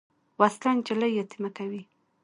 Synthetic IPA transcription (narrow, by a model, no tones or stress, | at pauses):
waslant͡ʃalajːat̪imakawi